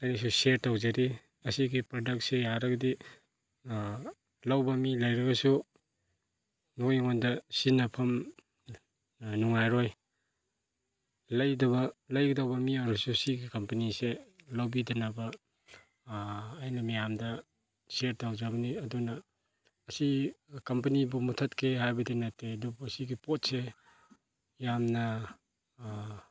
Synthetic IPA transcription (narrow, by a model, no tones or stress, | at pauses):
ɐjnɐs̬useɾtawzɐɾi | ɐsiɡipɾodɐk̚t̚sejaɾɐɡɐdi | lɐwbɐmilɐjɾɐɡɐsu | nojŋondɐsinɐpʰɐm | nuŋajɾoj | lɐjdɐβɐlɐjɡidawbɐmiawɾɐsusiɡikɐmpɐniselawbidɐnabɐ | jnɐmijamdɐ | seɾtawzabɐniɐdunɐː | sikɐmpɐnibumutʰɐtkʰehajbɐdinatːeɐdubusiɡipot̚se | jamnɐ